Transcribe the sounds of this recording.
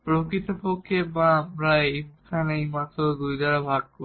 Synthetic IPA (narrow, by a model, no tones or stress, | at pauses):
pɹokɹit̪ɔpokʰebãmɹakʰanejmatɔdujdaɹabʱaɡ̚ko